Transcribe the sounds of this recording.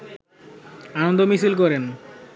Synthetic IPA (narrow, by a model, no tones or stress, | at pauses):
anɔnd̪ʱomisilk̬ɔɾen